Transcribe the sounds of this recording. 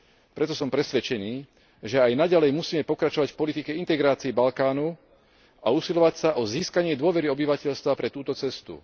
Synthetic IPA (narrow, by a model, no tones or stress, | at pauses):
pɾɛt̪ɔsɔmpɾɛsʋɛt͡ʃɛniː | ʒɛajnaɟalɛjmusiːmɛpɔkɾat͡ʃɔʋacfpɔlit̪ikɛint̪ɛɡɾaːt͡siibalkaːnu | ausilɔʋacsaʔɔziːskaɲɪɛd̪ʊɔʋɛɾiɔbiʋacɛʎst̪ʋapɾɛt̪uːt̪ɔt͡sɛst̪ṵ